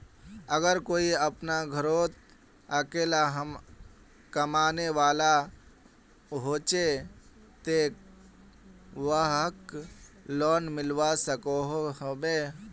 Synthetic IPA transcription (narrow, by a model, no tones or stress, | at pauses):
əɡəɾkoːiəpnaɡʱəɾoːt̪̚ | əkeːlaɦəm | kəmaːneʋaːla | ɦoːt͡ʃe | t̪e | ʋəɦək | lɔːnmɪlʋasəkoɦoɦobeː